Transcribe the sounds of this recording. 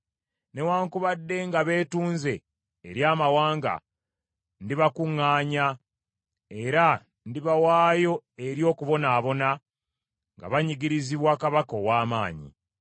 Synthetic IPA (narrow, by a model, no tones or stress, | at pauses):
ne̞waːŋkuβadːe̞ŋɡaβe̞ːtuːnze̞ː | ɾjaːmawaːŋɡa̰ | ndiβakuŋːaːɲa | e̞ɾa | ndiβawaːjo̞e̞ɾjo̞ːkuβo̞naːβo̞na | ŋɡa̰βaɲiɡiɾiziβwaːkaβako̞waːmaːɲḭ